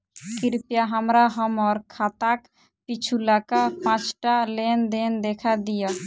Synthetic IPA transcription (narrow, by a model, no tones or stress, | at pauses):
kiɾpjaɦəmɾaɦəmɔːɾkʰat̪ak | pit͡ʃʰulakapãt͡ʃʈalend̪end̪ekʰad̪ija